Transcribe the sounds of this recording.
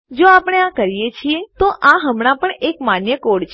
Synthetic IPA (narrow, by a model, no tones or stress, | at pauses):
d͡ʒoapəɽ̃eãkəɾijet͡ʃʰiet̪oʔãɦəmɳapəɳekmanjəkoɽt͡ʃʰ